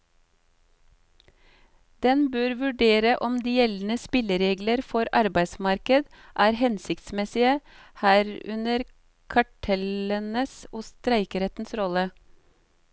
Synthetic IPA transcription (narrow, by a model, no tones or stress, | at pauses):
d̪̥ɛnbøːɾʋʉɖeːɾəʔɔmd̪iːjɛln̩əspɪləɾeːɡləɾfɔɾʔɑɾbæɪsmɑɾkəd̪ | ʔæːɾhɛnsɪkt̪smɛsɪə | hæːɾʉnəɾ | kʰɑʈʰɛlənəsoːst̪ɾæɪkəɾɛt̪n̩sɾɔlə